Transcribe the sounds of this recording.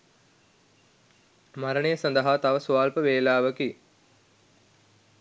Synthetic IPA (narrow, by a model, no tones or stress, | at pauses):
maɾəɳejəsɐnd̪əɦaːt̪aʋəsuaːlpəʋeːlaːʋəki